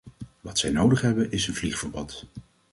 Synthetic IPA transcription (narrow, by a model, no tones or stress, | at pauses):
ʋɑtsɛjnowdəχɦɛbənʔɪsənvliχfəɹbɑt